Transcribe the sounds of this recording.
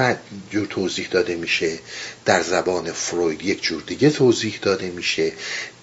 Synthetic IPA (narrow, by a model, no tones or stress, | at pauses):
æd͡ʒuːɾt̪ʰoːziːhd̪ɒːd̪e̞miːʃe̞d̪̥æɾzæbɒːne̞fɾojd̪je̞cʰd͡ʒuːɾd̪iɟet̪ʰoːziːhd̪ɒːd̪e̞miːʃe̞